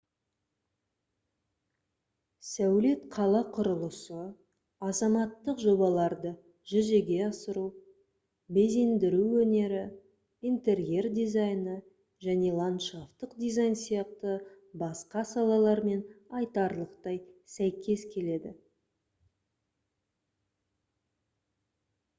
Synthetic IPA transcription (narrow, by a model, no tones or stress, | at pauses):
sæwle̞t̪qʰɑlˠɑqʰʊɾəlˠəsə | ɑzɑmɑt̪ːəqʒo̞bɑlˠɑɾd̪ə | ʒʏze̞ɡʲe̞ɑsəɾu | be̞ze̞nd̪ɪɾuwɵne̞ɾɪ | ijnt̪e̞ɾje̞rd̪ʲizɑjnə | ʒæne̞lˠant̪ʃaft̪əqd̪ʲizajnsijɑq̚t̪ə | bɑsqɑsɑlˠɑlˠɑɾme̞nɑjt̪ɑɾlˠəqt̪ɑjsæjkʲe̞skʲʰe̞le̞d̪ɪ̰